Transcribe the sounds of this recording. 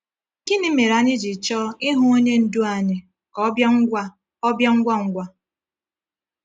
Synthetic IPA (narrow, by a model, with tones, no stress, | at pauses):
kɪ˦ni˦me˨ɾa˨ɲɪ˦d͡ʒi˨t͡ʃɔː˦ɪ˦ɦʊ˦o˦ɲe˦n̩˦du˦a˨ɲɪ˨ | kɔ˨˦ja˦ŋ̩˦ɡʷa˦ | ɔ˦bja˦ŋ̩˦ɡʷa˦ŋ̩˦ɡʷa˦